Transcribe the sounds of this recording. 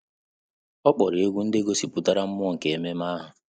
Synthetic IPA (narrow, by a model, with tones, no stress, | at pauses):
ɔ˦k͡pɔ˨ɾe˦ɡʷu˦n̩˦de˦ɡo˦si˨pu˦ta˦ɾa˦m̩˦m˦ɔ˦ŋ̩˨ke˨e˨me˦ma˦ɦʊ˨